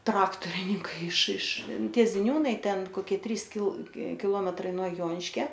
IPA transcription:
ˈtrɑːktoːrʲɪnʲɪŋkɐɪ ɪʃ ɪʃ ˈtʲiɛ zʲɪˈnʲuːnɐɪ ˈtʲɛn koːˈkʲiɛ ˈtʲrʲiːs kʲɪlˠ kʲɪˈlˠoːmʲɛtrɐɪ nuɔ ˈjoːnʲɪʃʲkʲɛ

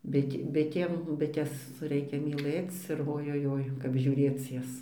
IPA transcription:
ˈbʲɪtʲ ˈbʲɪtʲeːm ˈbʲɪtʲɛs ˈrʲɛɪkʲɛ mʲiːˈlˠɘt͡s ɪr oːjoːˈjoːɪ kɐp ʒʲuːˈrʲeːt͡s ˈjɛs

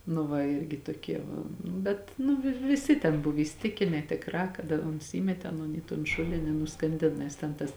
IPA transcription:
nʊ ˈʋɐ ˈɪrʲɡʲɪ toːˈkʲiɛ ˈʋɐ ˈnʊ bʲɛt nʊ ʋʲɪ ʋʲɪˈsʲɪ tʲɛn ˈbʊw iːsʲɪˈtʲɪkʲɪnʲɛ tʲeːkˈrɑː kɐt ɐ ˈoːns ˈiːmʲɛtʲeː ɐˈnoːn iː toːn ˈʃʊlʲɪnʲɪ ɪ nʊskɐnʲˈdʲɪn nʲɛs ˈtʲɛn tɐs

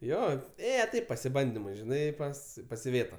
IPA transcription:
ˈjoː ˈeːjɛ ˈtɐɪp pɐsʲɪˈbɐnʲdʲɪmʊɪ ʒʲɪˈnɐɪ ˈpɐs pɐs ɪˈʋʲeːtɐ

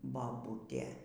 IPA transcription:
bɐˈbʊtʲeː

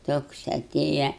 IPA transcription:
ˈtoːks ɐˈtʲeːjɛ

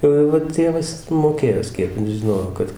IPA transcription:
ˈjɛʊ jɛʊ ʋɐ ˈtʲeːʋɐs ˈjɪs moːˈkʲeːjoː ˈsʲpʲiɛpʲɪnt ʒʲɪˈnoːjoː ˈkɐt

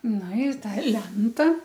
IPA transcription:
ˈnʊ ˈɪ ˈtɐ ˈlʲɛntɐ

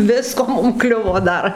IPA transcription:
ˈʋʲɪskoː ˈmʊm ˈklʲʊʋoː ˈdɐr

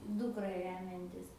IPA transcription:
ˈdʊkrɐ ˈrʲæːmʲɛnʲtʲɪs

